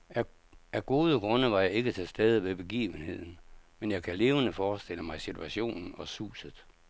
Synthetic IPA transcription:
æ | æɡ̥o̝ːð̞ˠəɡ̥ʁɔ̽nəʋɑ̈jɑ̈ɪe̝ɡ̥ət͡sʰe̝sd̥eð̞ˠiʋe̝b̥e̝ɡ̥ḭːʋənhe̝ð̰ˠn̩menjɑ̈ɪkʰæle̝ːʊənəfɒːsd̥e̝l̰əmɑ̈ɪsit͡sʰuæɕo̝̰ːnn̩ɒ̽sṵːsəð̩ˠ

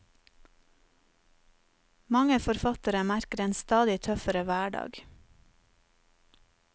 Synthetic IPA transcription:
mɑŋəfɔɾfɑt̪əɾəmæɾkəɾeːnst̪ɑːd̪ɪt̪ʰœfəɾəʋæːɖɑ̰ːɡ

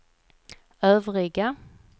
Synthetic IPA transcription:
øːvʁɪɡa

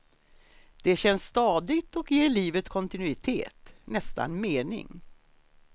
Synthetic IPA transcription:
d̪̥ɛɕɛnsːt̪ɑːd̪ɪɡt̪ɔkjeːɭiːvət̪kʰɔnt̪ɪnʉɪt̪ʰḛːt̪nɛst̪a̰nmeːnɪ̰ŋ

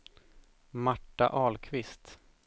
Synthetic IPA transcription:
maʈːa̰ʔɑːlkʰvɪst̪

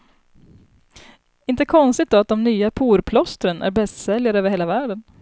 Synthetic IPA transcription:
ɪnt̪əkʰɔnst̪ɪt̪̚d̪ɔat̪̚d̪ɔmnyːapʰuːɾpʰlɔst̪ɾənʔæ̰ɾbɛst̪sɛljaɾəøːvəɾheːlavæːɖən

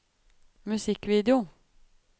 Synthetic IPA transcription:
mʉsɪkviːd̪ɛʊ

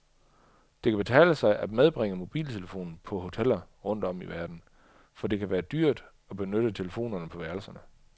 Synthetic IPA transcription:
d̥e̝kʰæb̥e̝t͡sʰɛ̰ːləsɑ̈ɪʔæd̥með̞ˠb̥ʁeŋ̰əmo̝b̥ḭːlt͡sʰe̝ləfo̝̰ːnn̩pʰɒ̽ɦo̝t͡sʰel̰ɐʁɔ̽n̰d̥ɒ̽m̰iʋæɐd̥n̩ | fɒ̽d̥e̝kʰæʋæːɐd̥yɐ̰d̥ | ɒ̽b̥e̝nøɾ̥ət͡sʰe̝ləfo̝̰ːnɐnəpʰɒ̽ʋæɐlsɐnə

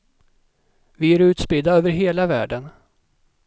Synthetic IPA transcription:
vɪæɾʉ̟ːt̪spɪd̪aøːvəɾɦeːlavæ̰ːɖən

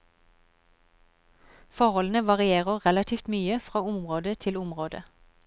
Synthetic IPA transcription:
fɔʁhɔln̩əʋɑʁɪeːʁəʁɛlɑt̪ʰiːft̪myːəfʁɑːʊmʁoːd̪ət̪ʰɪlʊmʁoːd̪ə̰

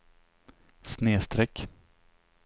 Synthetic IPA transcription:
sneːst̪ɾɛk

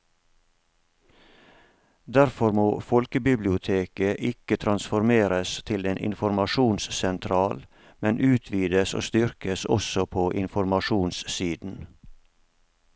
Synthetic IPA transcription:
d̪æɾfɔɾmoːfɔlkəbɪblɪʊt̪ʰeːkəʔɪkət̪ʰɾɑnsfɔɾmeːɾəst̪ʰɪleːnʔɪ̰nfɔɾmɑʃuːnssɛnt̪ʰɾɑːl | mɛnʔʉːt̪ʰʋiːd̪əso̰ːst̪ʏɾkəsɔ̰sɔpʰoːʔɪnfɔɾmɑʃuːnssiːd̪n̩

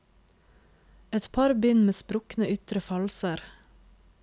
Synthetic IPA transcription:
ɛt̪pʰɑɾbʏnmeːspɾʊknəʔʏt̪ɾəfɑlsəɾ

